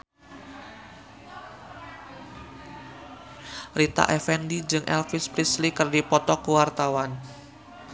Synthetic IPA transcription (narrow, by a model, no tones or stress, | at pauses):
rit̪a̰ʔɛfɛndid͡ʒɨŋʔɛ̰lfɪspɾislikərdipɔt̪ɔkuwart̪awan